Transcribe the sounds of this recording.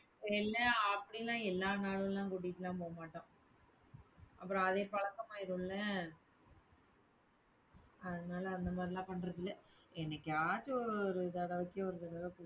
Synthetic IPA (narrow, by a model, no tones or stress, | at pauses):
ɛlːɐɐpːɐɽilãːɛlːaːnaːɭɯlãːkʊɽɪkːʈːɯlãːpoːɐmaːʈːõː | ʔɐpːɯɾõːɐðeːpɐɭɐkːɐmaːɪɾɯ̃lːɐ | ɐðɯnaːlɐɐnd̪ɐmaːd̪ɾɪlãːpɐɳːɾɐðɪlːɐɛnːɐkːɯaːt͡ʃːɯɔɾɯt̪ɐɽɐʋɐkːɯɔɾɯt̪ɐɽɐʋɐkː